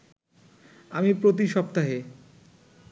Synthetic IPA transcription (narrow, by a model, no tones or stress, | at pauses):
amipɾot̪̬iʃɔp̚t̪aɦe